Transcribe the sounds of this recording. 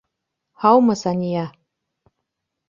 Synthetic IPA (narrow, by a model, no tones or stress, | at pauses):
hɑwmɤsanʲija